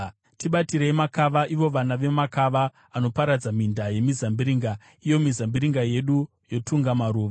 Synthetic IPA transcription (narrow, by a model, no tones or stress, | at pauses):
tiɓatiɾeimakaʋaʔiʋo̞ʋanaʋe̞makaʋaː | no̞paɾad͡zamindaje̞mizambiɾiːŋɡa | ijo̞mizambiɾiŋɡaje̞ɗu | jo̞tʰuŋɡamaɾuːʋa